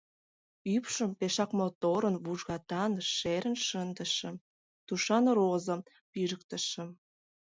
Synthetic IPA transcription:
ypʃə̆mpeʃɑkmot̪oɾənβuʒɣɑt̪ɑnʃeɾənʃənd̪ə̆ʃə̆m | t̪uʃɑnrozə̆m | piʒək̚t̪ə̆ʃə̆m

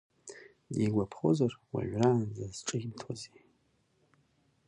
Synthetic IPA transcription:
diɡʷapʰχo̞̰zarwa̰ʕraːndazʈ͡ʂʼɨɣʲmtʰwaze

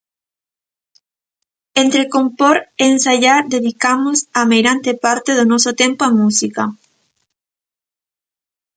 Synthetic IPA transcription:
ent̪ɾekompoɾensaʎaɾd̪eðikamosamejɾant̪epaɾt̪eðonɔsot̪empoamusika

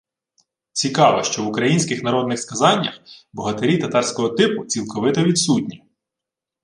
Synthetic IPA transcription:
t͡sʲikɑʋɪʃt͡ʃɔʋʊkɾɐjinʲsʲkɪxnɐɾɔd̪nɪxskɐzɑnʲːɐxbɔɦɐt̪eɾʲit̪ɐt̪ɑrsʲkɔɦɔt̪ɪpʊt͡sʲilˠkɔʋɪt̪ɐʋʲid̪sutʲnʲi

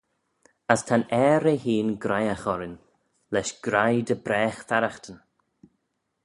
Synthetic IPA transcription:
əstʰanɛːɾehiːnɡɾajaxɔɾɪn | lɛʃɡ̥ɾajd̪əbɾɛːxfaɾaxt̪ən

